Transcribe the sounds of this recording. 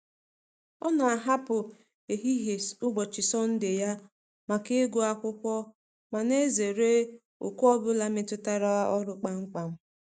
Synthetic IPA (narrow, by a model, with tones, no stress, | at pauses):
ɔ˦na˨a˨ɦa˦pʊ˨ | e˨ɦi˦ɦe˨sʊ˦ɡ͡bɔ˨t͡ʃɪ˨sɔ˦n̩˦dɪ˨ja˦ | ma˨ke˦ɡʷo˦a˦kʷʊ˦kʷɔ˦ | ma˨ne˦ze˨ɾe˦ | ʊ̰˨ku˦ɔ˦bʊ˦la˦mɪ˦tʊ˦ta˦ɾa˦a˦ʔɔ˦ɾʊ˦k͡pa˦ŋ͡m̩˦k͡pa˨m̩˦